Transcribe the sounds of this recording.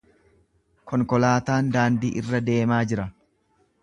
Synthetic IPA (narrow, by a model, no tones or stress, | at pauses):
kʰɔŋkɔlaːt̪aːnd̪aːnd̪iːʔɪrːɐd̪e̞ːmaːd͡ʒɪɾɐ